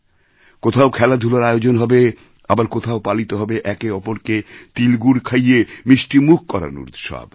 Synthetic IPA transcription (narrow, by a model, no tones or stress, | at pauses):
kot̪ʰaokʰɛlad̪ʱulaɾajod͡ʑonɦɔbe | abaɾkot̪ʰaopalit̪oɦɔbeʔɛkeɔpoɾket̪ilɡuɾkʰajemiʃʈimuk̚ʰkɔɾa̰nṵɾd̪ʃɔ̰b